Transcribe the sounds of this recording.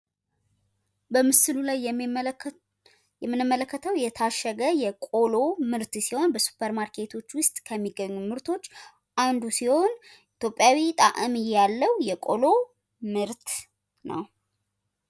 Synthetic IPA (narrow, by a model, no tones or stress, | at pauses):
bəmɨsɨlulaj | jɛmːɨnɨmːələkːət̪ʰəwjɛt̪ʰaʃːəɡəjɛkʼo̞lo̞mɨɾt̪siho̞nbəsu̥pʰːəɾmaɾkʰe̞t̪ʰo̞t͡ʃːwʊst̪ʼkʰəmːiɡəɲːumɨɾt̪ʰo̞t͡ʃː | ʔand̪usiho̞n | it̪ʰjo̞pʼːjawit̪ʼa̰ʔɨmɨjːalːəwujɛkʼo̞lo̞ | mɨɾt̪ | nə̰w